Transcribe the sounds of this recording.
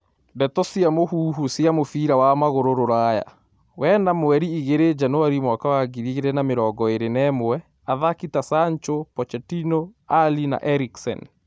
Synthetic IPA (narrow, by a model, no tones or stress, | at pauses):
dɛtɔsiamohuːɦusiamofiːɾawamaɣoɾoɾoɾaja̰ | wɛnamoɛɾiiɣeɾed͡ʒanowaɾimwakawaɡiɾiɣeɾɛnameɾɔːɡɔeɾenɛmoɛ | aðakitasaɲt͡ʃopɔt͡ʃɛtinoalina̰ʔɛɾiksɛ̰n